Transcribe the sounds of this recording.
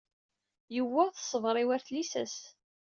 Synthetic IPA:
jəwːæθə̥sˤəvɾˤiwæɾθlisæ̰s

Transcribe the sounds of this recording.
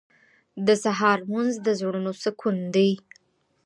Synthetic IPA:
d̪əsaɦɑɾmanzd̪əzoɽənosəkʰund̪əj

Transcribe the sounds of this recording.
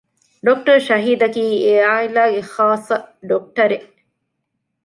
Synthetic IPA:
ɖok̚ʈɐɾʃɐɦiːd̪ɐkiːeaːilaːɡeχaːsːɐɖok̚ʈɐɾeʔ

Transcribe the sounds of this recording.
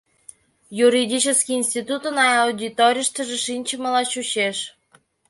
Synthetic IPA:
juɾʲidʲit͡ɕəskʲiːnsʲt̪ʲit̪ut̪ənɑɑwd̪ʲit̪oɾʲijəʃt̪ə̆ʒeʃinʲt͡ɕəməlɑɕuɕeʃ

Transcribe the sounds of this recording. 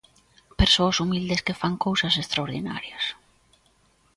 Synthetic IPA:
peɾsoasumild̪eskefaŋkowsɐsest̪ɾaoɾðina̰ɾjɐs

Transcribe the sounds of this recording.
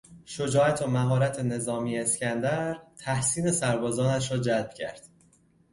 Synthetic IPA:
ʃod͡ʒɒːæt̪ʰomæɦɒːɾæt̪ʰene̞zɒːmiːeːscʲænd̪æɾt̪ʰæhsiːne̞sæɾbɒːzɒːnæʃ̬ɾɒːd͡ʒælb̥̚cʰæ̰ɾd̪̥

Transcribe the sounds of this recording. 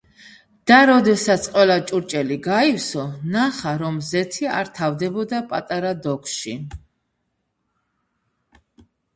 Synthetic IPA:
d̪̥aɾɔd̪ɛsat̪sʰqʼwɛlˠat͡ʃʼuɾt͡ʃʼɛliɡaifsɔnaχaɾɔmzɛt̪ʰia̰ɾt̪ʰavd̪ɛbɔd̪apʼat̪ʼaɾad̪ɔkʰʃi

